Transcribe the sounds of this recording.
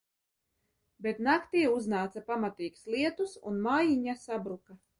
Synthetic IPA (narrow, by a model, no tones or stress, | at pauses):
bet̪nakt̪iːuznaːt̪sapamat̪iːkslˠiɛt̪usṵnmaːjiɲasabɾuka